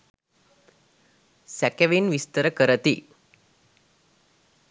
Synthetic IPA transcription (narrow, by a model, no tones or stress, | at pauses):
sɛkeʋinʋist̪əɾəkəɾət̪i